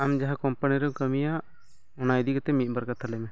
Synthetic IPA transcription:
amd͡ʒaɦakɔmpəniɾɔkəmijaʔ | ɔnajd̪ikɔt̪ɛmit̪̚ˀbaɾkat̪ʰalɛmɛ

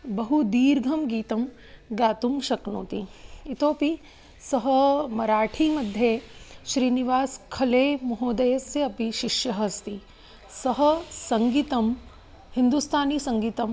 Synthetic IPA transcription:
bɐɦud̪iːɾɡʱɐmɡiːt̪ɐm | ɡaːt̪umʃɐknoːt̪iit̪oːpi | sɐɦɐmɐɾaːʈʰiːmɐd̪ʱjeːʃɾiːniʋaːskʰɐleːmɐɦoːd̪ɐjɐsjɐɐpiʃiʃjɐɦɐst̪i | sɐɦɐ̆sɐŋɡit̪ɐm | hind̪ust̪ʰaːniːsɐŋɡiːt̪ɐm

